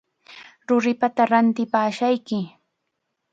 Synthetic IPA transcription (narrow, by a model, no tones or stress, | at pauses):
ɾʊɾɪpat̪aɾant̪ɪpaːʃajkɪ